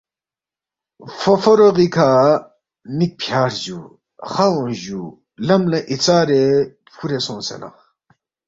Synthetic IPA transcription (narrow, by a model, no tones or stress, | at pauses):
fofoɾoɣikʰaː | nik̚pʰjaːɾʑu | χaõnʑu | lɐmlɐʔit͡saːɾe | pʰuɾesõːnsḛna̰